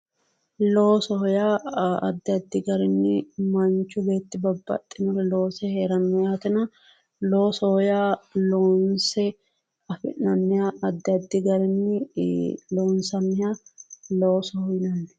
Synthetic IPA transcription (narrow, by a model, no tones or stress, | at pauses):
lo̞ːsɔhɔjaːɐ̰d̪ːɪɐd̪ːɪɡɐɾɪnːɪmɐnt͡ʃːʊbe̞ːt̪ːɪbɐbːɐ̰t̪ʼːɪnʊɾɛlo̞ːsɛheːɾɐnːɔjaːt̪ɪnɐ | loːsɔhɔjaːloːnsɛ | ɐfɪ̰nɐnːɪjaɐd̪ːɪɐd̪ːɪɡɐɾɪnːɪ | loːnsɐmɪjaːloːsɔhɔjnɐnːɪ̥